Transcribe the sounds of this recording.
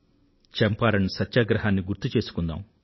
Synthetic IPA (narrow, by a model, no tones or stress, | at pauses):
t͡ʃɛmpaːɾɐnisɐtːʃaːɡɾɐɦaːnːiɡuɾt̪ːut͡ʃe̞ːsu̥kund̪a̰ːm